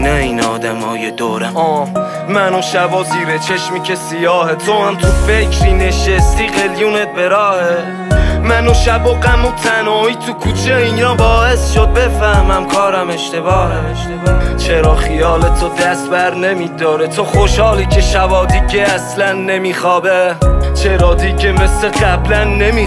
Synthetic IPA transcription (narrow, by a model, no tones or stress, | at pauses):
næiːnɒ̰ːd̪æmɒ̰ːjed̪oːɾeʔɒː | mænoʃæbɒːziːɾet͡ʃʰeʃmiːcʰe̞sijɒːhet̪ʰohæmt̪ʰufecʰɾiːne̞ʃest̪iːɣe̞ljune̞t̪̚be̞ɾɒːhe | mænoʃæboɡæmot̪ʰænɒːiːt̪ʰukʰuːt͡ʃʰeinɒːbɒːe̞sʃod̪̚be̞fæhmæmkʰɒːɾæme̞ʃt̪e̞bɒːhæeʃt̪ebt͡ʃʰeɾɒːχijɒːlet̪ʰod̪æst̪̚bæɾne̞miːd̪ɒːɾet̪ʰoχoʃhɒːliːcʰe̞ʃævɒːd̪iːɟeæslænːe̞miːχɒːbet͡ʃʰeɾɒːd̪iɟemeseɢæblænːe̞mi